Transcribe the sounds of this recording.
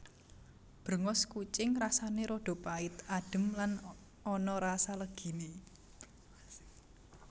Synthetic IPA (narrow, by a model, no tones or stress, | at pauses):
b̥ɾə̤ŋɔskut͡ʃɪŋrasaneɾoɖ̥o̤paɪt̪aɖ̥ə̤mlan | ɔnɔɾasaləɡ̥i̤ne